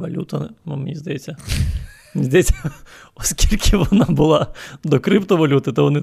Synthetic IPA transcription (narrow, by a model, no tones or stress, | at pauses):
ʋɐlʲṵt̪ɐmmnʲizd̪ɐjɛt͡sʲːɐ | mnʲizd̪ɐjesʲːɐ | ɔskʲilʲkʰɪʋɔnɑbʊlˠɑd̪ɔkɾɪpt̪ɔʋɐlʲut̪ɪt̪ɔʋɔnɪ